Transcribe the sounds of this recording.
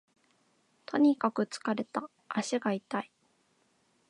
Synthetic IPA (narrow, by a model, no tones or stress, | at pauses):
t̪ʰo̞ɲ̟ikakɯ̟t͡sɨ̥kaɾe̞t̪a | ʔːɕiɡait̪ai